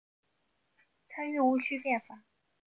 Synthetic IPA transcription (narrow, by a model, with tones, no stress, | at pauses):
t͡sʰa˥ny˥˩u˧˥t͡ɕʰy˥pjɛ˥˩nfa˨˩˦